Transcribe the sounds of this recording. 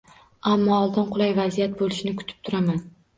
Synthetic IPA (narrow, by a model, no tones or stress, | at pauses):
amːɒːlˠd̪ɪnqʰʊlˠajvazijat̪̚bolˠɪʃɪnɪkʰʊ̥t̪ʰɪ̥p̚t̪ʰʊɾaman